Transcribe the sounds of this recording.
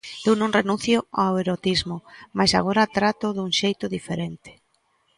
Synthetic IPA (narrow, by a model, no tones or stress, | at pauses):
ewnõŋrenũnθjʊaweɾot̪izmʊmajsa̰ɣ̞oɾat̪ɾat̪ʊðuŋʃejt̪ʊðifeɾent̪ɪ̥